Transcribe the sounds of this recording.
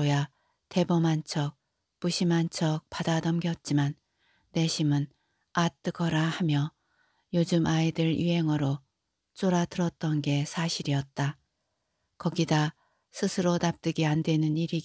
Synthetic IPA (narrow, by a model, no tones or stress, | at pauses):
oja | te̞bʌmant͡ɕʰʌk̚ | puɕʰimant͡ɕʰʌk̚p͈adadʌmɡjʌt̚t͡ɕ͈imanː | e̞ɕʰimɯn | at͈ɯɡʌɾahamjʌ | jod͡ʑɯmʔaidɯɾjuɦe̞ŋʌɾo | t͡ɕ͈oɾatɯɾʌt̚t͈ʌnɡe̞sʰaɕʰiɾiʌt̚t͈a | kʌɡida | sʰɯsʰɯɾonap̚t͈ɯɡiandwe̞nɯniɾi